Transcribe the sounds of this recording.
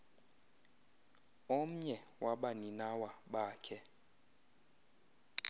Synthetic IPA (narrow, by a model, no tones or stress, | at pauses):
om̩ɲɛwaɓaninawaɓaːkʰɛ